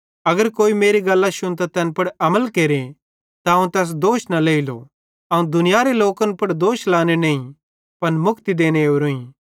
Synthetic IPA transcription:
ɐɡəɾkoːimeːɾiɡɐlːaʃʊ̃nt̪at̪ɛːnpɐɽɐməlkeːɾe | t̪aɦɐ̃ũt̪ɛːs̬d̪oːʃnaleːilo̰ | ɐũd̪ʊnɪjaɾeloːkə̃npɐɽd̪oːʃlaːnenɐĩ | pɐnmʊkt̪id̪eːneɾoĩ

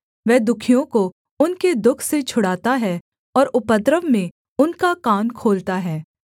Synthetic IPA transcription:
ʋɛːd̪ʊkʰijõko | ʊnked̪ʊkʰset͡ʃʰʊɽaːt̪aɦɛː | ɔːɾʊpət̪ɾəʋmẽ | ʊnkakaːnkʰoːlt̪aɦɛː

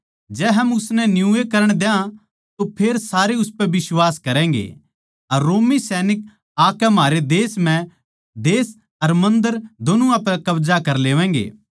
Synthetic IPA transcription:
d͡ʒɛːɦɐmʊsnɛnjũekɐɾəɽ̃d̪ejã | t̪opʰeːɾsaːɾeʊspɛʋɪswaːskɐɾɛ̃ːŋ̆ɡḛː | ɐɾːoːmisɛːnɪk̚ | aːkɛmaːɾed̪eːsm̤ɛ̃ | d̪eːs | ɐɾmɐ̃nd̪əɾd̪oːnũapɛkɐʋzakɐɾleːʋɛ̃ːŋɡḛː

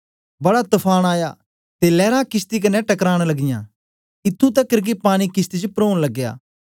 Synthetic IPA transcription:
bɐɽat̪ʊpʰaːɽ̃aːja̰ː | t̪elɛːɾãkɪst̪ik̬ɐneʈɐkɾaːɽ̃lɐɡɪjã̰ː | ɪt̪ʰːũt̪ɐkːəɾɡipaːɽ̃ikɪst̪id͡ʒpɾoːɽ̃lɐɡːja̰ː

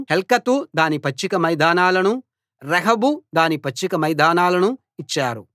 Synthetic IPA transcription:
helkɐt̪ud̪aːnipɐt͡ʃːikɐmɐjd̪aːnaːlɐnu | ɾɐɦɐbud̪aːnipɐt͡ʃːikɐmɐjd̪aːnaːlɐnu | it͡ʃːaːɾṵ

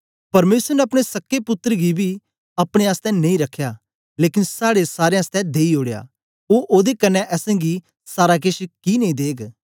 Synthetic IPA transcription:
pɐɾmeːsəɾənɛɐpɽ̃esɐkːepʊt̪ːəɾəɡibʱi | ɐpɽ̃eaːst̪ɛ̃nɐĩɾɐkʰːjaː | leːkɪnsaːɽesaːɾeãst̪ɛ̃d̪eːioːɽeja̰ː | oːʔoːd̪ekɐnːɛʔɛːsɛ̃ɡi | saːɾak̬ɪʃkinẽĩːd̪eːɡ

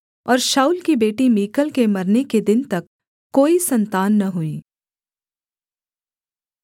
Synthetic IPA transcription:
ɔːɾʃaːuːlkibeːʈimiːkəlkemɐɾneked̪ɪnt̪ɐkː | oːisɐ̃nt̪aːnːɐɦʊiː

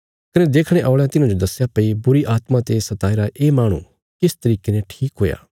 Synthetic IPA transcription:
kɐned̪eːkʰɽ̃ẽʔaːɭejãt̪ɪnãd͡ʒod̪ɐsːjapɐibʊɾiʔaːt̪mãt̪esɐt̪aːiɾaʔeːmaːɽ̃ṵ̃ | kɪst̪ɐɾiːkenɛ̃ʈʰiːkɦoːja̰ː

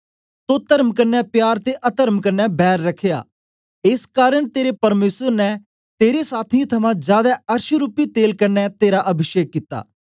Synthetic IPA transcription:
t̪ot̪əɾmkɐɾnjɛːpjaːɾt̪eʔɐt̪əɾmkɐɾnɛːbɛːɾːɐkʰːeja̰ː | ɪskaːɾəɽ̃t̪eːɾepɐɾmeːsəɾnɛ | t̪eːɾesaːt̪ʰĩt̪ʰɐmãːd͡ʒjaːd̪aɐɾʃɾupit̪eːlkɐɾnɛt̪eːɾaʔɐbʱɪʃeːkːit̪ːa̰ː

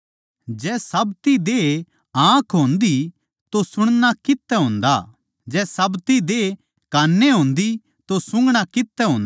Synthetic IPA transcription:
d͡ʒɛːsɐbt̪id̪eː | ãːkʰɦõːnd̪i | t̪osʊɽ̃nakɪt̪ːɛɦõːnd̪a | d͡ʒɛːsɐbt̪id̪e | kaːnːeɦõːnd̪i | t̪osʊ̃ŋɡɽ̃akɪt̪ːɛɦõːnd̪

